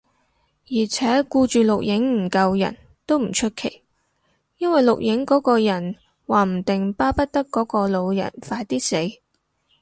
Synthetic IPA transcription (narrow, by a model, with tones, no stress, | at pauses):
jiː˨˩t͡sʰɛː˨˥kuː˧t͡ʃyː˨lʊ˨k̚jɪ˨˥ŋm̩˨˩kɐ˧wjɐ̰˨˩n | t̪o˥wm̩˨˩t͡ʃʰɵ˥t̚kʰe˨˩j | jɐ˥nwɐ˨jlʊ˨k̚jɪ˨˧˥ŋkɔː˨˥kɔː˧jɐ˨˩n | waː˨˩m̩˨˩t̪ɪ˨ŋpaː˥pɐ˥t̚t̪ɐ˥kːɔː˨˥kɔː˧lo˨˧wjɐ̰˨˩nfaː˧jt̪iː˥se˨˥j